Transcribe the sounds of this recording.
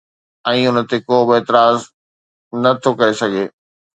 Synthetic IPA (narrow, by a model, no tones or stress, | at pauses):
ɛ̃ːʊnə̆t̪ekoːbɪeːt̪ɪɾaːz | nɐt̪ʰokɐɾesɐɡʱeː